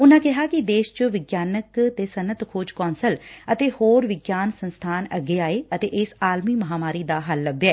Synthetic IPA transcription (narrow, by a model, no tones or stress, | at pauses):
ʊnãːkɪɦaːkɪd̪eːʃt͡ʃəʋɪɡjaːnəkt̪eːsənət̪kʰoːd͡ʒkɔːnsələt̪eːhoːɾʋɪɡjaːnsənst̪ʰaːnəɡːeːaːeːət̪eːʔɪsaːlmiːməɦaːmaːɾiːd̪aːɦəlːəbːeɛː